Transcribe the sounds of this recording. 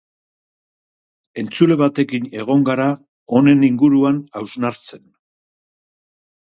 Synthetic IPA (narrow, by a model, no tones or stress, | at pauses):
e̞nt͡sule̞βat̪e̞kine̞ɣ̞o̞ŋɡaɾa | o̞ne̞niŋɡuɾuanawznaɾt͡se̞n